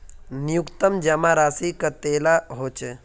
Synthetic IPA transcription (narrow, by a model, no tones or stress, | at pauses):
nijukt̪əmd͡ʒəmaɾaːsikət̪elaɦot͡ʃe